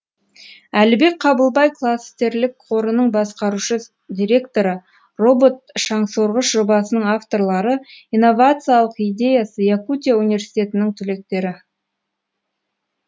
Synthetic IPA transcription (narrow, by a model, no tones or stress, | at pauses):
ælɪbe̞k̚qʰɑbəlˠbɑjkʰlˠast̪e̞ɾlɪkqʰo̞ɾənəɴbɑsqɑɾuʃə | d̪ʲiɾʲe̞kt̪o̞ɾə | ro̞bo̞t̪ʃɑɴsoɾʁəʃʒo̞bɑsənəɴaft̪o̞ɾlˠɑɾəijnːo̞vat̪sɨjalˠəqijd̪ʲe̞jasəjakut̪ʲijaunivʲe̞ɾsʲi̥jt̪e̞t̪ɪnɪŋt̪ʰʏle̞k̚t̪e̞ɾɪ